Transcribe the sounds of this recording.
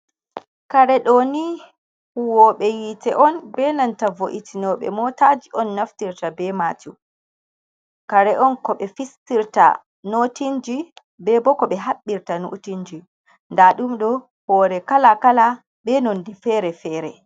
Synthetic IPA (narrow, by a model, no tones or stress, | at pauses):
kaɾɛɗɔni | huwɔɓɛjitɛʔɔnbɛnantavoʔitʰinɔɓɛ̰mɔtad͡ʒiʔɔnːaftiɾtabɛmatu | kaɾɛʔɔnkɔɓɛfistiɾta̰ | notind͡ʒi | bɛbɔkɔɓɛɦaɓːiɾtano̰tiɲd͡ʒi | ndaɗumɗɔ | hɔːɾɛkalakala | bɛnondɛfɛɾɛfɛːɾɛ